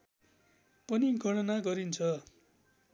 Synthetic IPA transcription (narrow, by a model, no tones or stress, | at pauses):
pʌniɡʱʌɽʌnaɡʌɾint͡sʰʌ